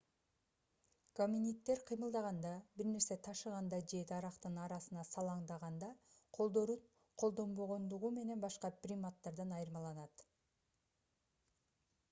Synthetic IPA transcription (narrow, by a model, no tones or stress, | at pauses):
komʲinʲit̪ːe̞ɾqʰɯjmɯlˠd̪ɑʁɑnd̪ɑbiɾne̞ɾse̞t̪ʰɑʃɯʁɑnd̪ɑd͡ʒe̞t̪ʰɑɾɑqt̪ɯnɑɾɑsɯnɑsɑlˠɑɴd̪ɑʁɑnd̪ɑ | qʰo̞lˠd̪oɾu | qʰo̞lˠd̪o̞mbo̞ʁo̞nd̪uʁume̞ne̞nbɑʃqɑprʲimat̪ːɑɾd̪ɯnɑjɯɾmɑlˠɑnɑt̪